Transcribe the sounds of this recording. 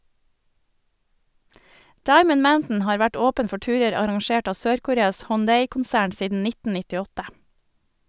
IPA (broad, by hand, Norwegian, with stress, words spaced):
ˈdɑɪmən ˈmaʊntn̩ ˈhɑːɾ ˈʋæʈ ˈoːpən ˈfɔ ˈʈʉːɾəɾ ɑɾɑŋˈʃeːʈ ˈɑː ˈsøːɾkʊˌɾeːɑs hɔnˈdeɪkʊnˌsæːɳ ˈsiːdn̩ ˈnɪtn̩ nɪtɪˈɔtə